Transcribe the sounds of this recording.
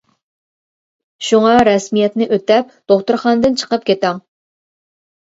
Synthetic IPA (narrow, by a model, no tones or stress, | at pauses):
ʃuŋɑɾɛsmijɛt̪nɪʔøt̪ɛp̚ | d̪̥oχt̪uɾχɑnd̪ɨnt͡ʃʰə̥qəp̚kʲʰet̪ɛŋ